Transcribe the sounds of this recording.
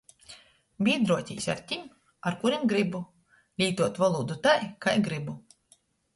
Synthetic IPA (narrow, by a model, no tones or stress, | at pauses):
bʲiːd̪ɾuɔt̪ʲḭːsʲa̰ɾt̪ʲim | aɾkuɾimɡɾibu | lʲiːt̪uɔt̪valˠuːd̪ut̪ajkajɡɾibu